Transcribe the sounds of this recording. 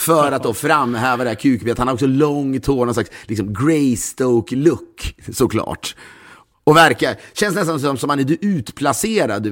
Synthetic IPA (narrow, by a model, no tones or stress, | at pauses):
fœːɾat̪̚d̪ɔfɾamːhɛːvad̪ɛæɾkʰʉ̟ːk̚beːt̪hnaɾɔksɔlɔŋːt̪ʰoːɡnɔnslakslɪksɔmɡɾɛɪst̪ɔʊklɵkːsɔkʰlɑ̰ːʈ | ɔvæɾkaɕɛnsnɛs̬t̪ansɔmsɔmhanæɖʉʔʉ̟ːt̪pʰlaseːɾa̰d̪